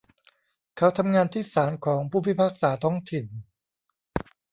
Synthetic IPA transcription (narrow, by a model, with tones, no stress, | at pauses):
kʰa˦˥wt̪ʰa˧mŋaː˧nt̪ʰiː˥˩saː˩˦nkʰɔː˩˦ŋpʰuː˥˩pʰi˦˥pʰaː˥˩k̚saː˩˦t̪ʰɔ˦˥ŋt̪ʰi˨˩n